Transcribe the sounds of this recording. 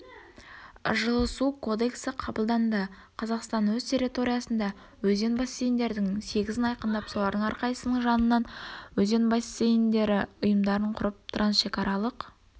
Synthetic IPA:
ʒəlˠəsukʰo̞d̪e̞ksəqʰɑbəlˠd̪ɑnd̪ə | qʰɑzɑqst̪ɑnwɵzt̪ʲʰe̞ɾʲit̪o̞ɾijɑsənd̪ɑ | wɵze̞nbɑsːe̞jnd̪e̞ɾd̪ɪŋse̞ɡʲɪzɪnɑjqənd̪ɑpsow̪lˠɑɾd̪əɴɑɾqɑjəsənəɴʒɑnənːɑnwɵze̞nbɑsːejnd̪e̞ɾɪʊjəmd̪ɑɾəɴqʰʊɾəp̚t̪ʰɾɑnʃe̞kɑɾʔɑlˠəq

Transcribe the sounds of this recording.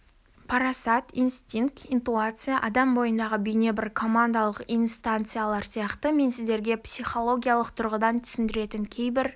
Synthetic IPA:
pʰaɾasat̪inst̪ʲiŋk̚t̪int̪uat̪sɨjaʔɑd̪ɑmbo̞jənd̪ɑʁəbʏjne̞bɪɾkʰo̞mand̪alˠəqijnst̪ant̪sɨjalˠɑɾsijɑqt̪əme̞nsɪzd̪e̞ɾɡʲe̞psʲijχo̞lˠoɡʲijalˠəqt̪ʰʊɾʁəd̪ɑnt̪ʰʏ̥sɪnd̪ɪɾe̞t̪ɪŋkʲʰe̞jbɪɾ

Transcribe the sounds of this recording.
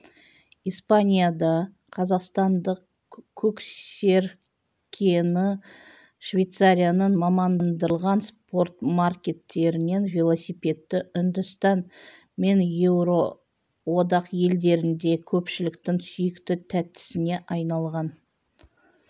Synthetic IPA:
ijspanʲijad̪ɑ | qʰɑzɑqst̪ɑnd̪əq | kʲʰɵkse̞ɾ | kʲʰenɪ | ʃvʲe̞jt̪saɾʲijanənmɑmɑndnd̪əlˠʁɑnspo̞rt̪markʲe̞t̪ːe̞ɾɪne̞nvʲelˠosipʲe̞t̪ːɪʏnd̪ʏst̪ɑn | me̞njewɾo̞ | wo̞d̪ɑqje̞ld̪e̞ɾɪnd̪e̞kʲʰɵpʃɪlɪkt̪ɪŋsʏjɪkt̪ɪt̪ʰæt̪ːɪ̥sɪne̞ʔɑjnɑlˠʁɑn

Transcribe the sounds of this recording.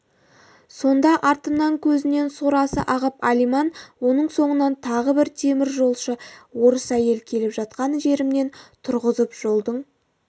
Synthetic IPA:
so̞nd̪ɑʔɑɾt̪əmnɑŋkʲʰɵzɪne̞nsoɾɑsə̰ʔɑʁəpɑlijmɑnwo̞nəɴso̞ɴənɑnt̪ʰɑʁəbɪɾt̪ʰe̞mɪɾʒo̞lˠʃəwo̞ɾəsæje̞lkʲʰe̞lɪpʒɑt̪̚qɑnʒe̞ɾɪmne̞nt̪ʰʊɾʁəzəpʒ̥o̞lˠd̪əɴ

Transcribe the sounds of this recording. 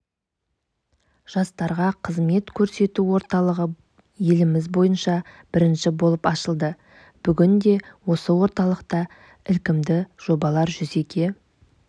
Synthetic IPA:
ʒ̥ɑst̪ɑɾʁɑqʰəzme̞t̪kʲʰɵɾse̞t̪uwo̞ɾt̪ɑlˠəʁə | je̞lɪmɪzbo̞jənʃɑb̥ɪɾɪnʃɪbo̞lˠəpɑʃəlˠd̪ə | b̥ʏɡʲɪnd̪e̞wo̞səwo̞ɾt̪ɑlˠəqt̪ɑ | ɪlkʲɪmd̪ɪʒ̥o̞bɑlˠɑɾʒʏze̞kʲʰe̞

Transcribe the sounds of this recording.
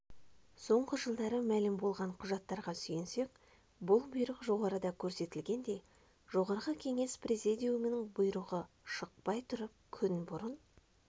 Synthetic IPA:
so̞ɴʁəʒəlˠd̪ɑɾəmælɪmbo̞lˠʁɑɴqʰʊʒɑt̪ːɑɾʁɑsyjense̞k̚ | bʊlˠbʊjɾəqʒo̞ʁɑɾəd̪ɑkʲʰɵɾse̞t̪ɪlɡʲe̞nd̪e̞ | ʒo̞ʁɑɾʁəkʲʰe̞ŋe̞spʰrezid̪ʲijumenɪŋbʊjɾuʁə | ʃəq̚pɑjt̪ʰʊɾəp̚kʲʰʏnbʊɾən

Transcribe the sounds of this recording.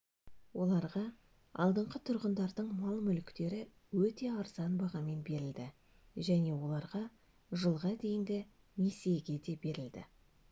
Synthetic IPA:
wo̞lˠɑɾʁɑ | ɑ̰lˠd̪əɴqət̪ʰʊɾʁənd̪ɑɾd̪əɴmɑlˠmʏlkt̪e̞ɾɪ | wɵt̪e̞ɑɾz̥ɑnbɑʁɑme̞nbe̞ɾɪld̪ɪ | ʒæne̞wo̞lˠɑɾʁɑ | ʒəlˠʁɑd̪e̞jɪnd̪ɪ | nese̞ɡʲe̞d̪e̞be̞ɾɪld̪ɪ̰

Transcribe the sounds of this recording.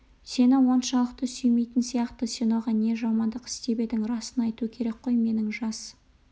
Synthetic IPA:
se̞nɪwo̞nʃɑlˠəq̚t̪əsʏjme̞jt̪ɪnsijɑqt̪əsenoʁɑne̞ʒɑmɑnd̪əqɪ̥st̪e̞be̞d̪ɪŋɾɑsənɑjt̪uəkʲʰe̞ɾe̞k̚qʰo̞jme̞nɪŋʒɑs

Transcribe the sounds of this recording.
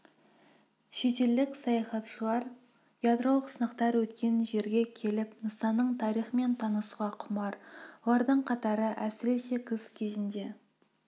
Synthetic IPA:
ʃe̞t̪e̞ld̪ɪksɑjɑχɑt̪ʃəlˠɑɾ | jɑd̪ɾo̞lˠəqsənɑqt̪ɑɾwɵt̪kʲe̞nʒe̞ɾɡʲe̞kʲʰe̞lɪpnəsɑnːəɴt̪ʰɑɾijχəme̞nt̪ʰɑnəsuʁɑqʰʊmɑɾwolˠɑɾd̪əɴqʰɑt̪ɑɾəʔæsɪɾe̞se̞kʲʰɪzkʲʰe̞zɪnd̪e̞

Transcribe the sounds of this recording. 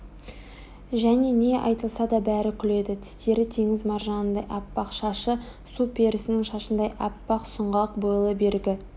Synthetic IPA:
ʒæne̞ne̞ʔɑ̰jt̪əlˠsɑd̪ɑbæɾɪkʲʰʏle̞d̪ɪt̪ʰɪ̥st̪e̞ɾɪt̪ʰe̞ŋɪzmɑɾʒɑnənd̪ɑjʔɑpːɑqʃɑʃə | supʲʰe̞ɾɪsɪnɪŋʃɑʃənd̪ɑjʔɑpːɑqsʊɴʁɑq̚bəlˠəbe̞ɾɡʲɪ

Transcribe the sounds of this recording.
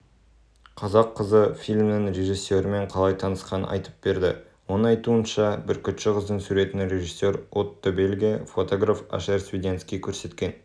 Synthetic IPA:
qʰɑzɑqʰːəzəfilʲmnɪŋɾe̞ʒisːe̞ɾɪme̞ɴqʰɑlˠɑjt̪ʰɑnəsqɑn̰ɑ̰jt̪ə̥p̚be̞ɾd̪ɪ̰ | wo̞nəɴɑjt̪uənʃɑbɪɾkʲʰʏt̪ʃɪqʰəzd̪əɴsuɾe̞t̪ɪnɾʲe̞ʒisːe̞ɾot̪ːəbelɡʲijefo̞t̪o̞ɡrafa̰ʃeɾsvʲid̪ʲent̪skʲijkʲʰɵɾse̞t̪kʲe̞n

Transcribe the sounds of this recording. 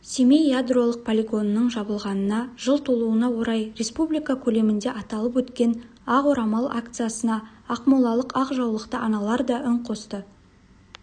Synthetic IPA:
semejjad̪ro̞lˠəq̚pʰolʲeɡo̞nəːəɴʒɑbəlˠʁɑnənɑʒəlˠt̪ʰolˠuənɑwo̞ɾɑjɾe̞spublijkakʲʰɵle̞mɪnd̪e̞ʔɑt̪ɑlˠəpwɵt̪kʲe̞n | ɑqoɾɑmɑlˠa̰kt̪sɨjasənɑː | qmulˠɑlˠəqɑqʒɑwlˠəqt̪əʔɑnɑlˠɑɾd̪ɑʔʏɴqʰo̞st̪ə

